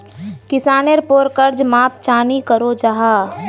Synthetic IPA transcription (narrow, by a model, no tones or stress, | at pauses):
kɪsaːneɾpoːɾkəɾd͡ʒmaːp̚t͡ʃaːnikəɾod͡ʒaɦaː